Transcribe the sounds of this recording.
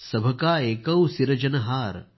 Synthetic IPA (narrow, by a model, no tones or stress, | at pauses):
sɐbʱɐkaːeːkɐwsiɾɐd͡ʒɐnɐɦaːɾ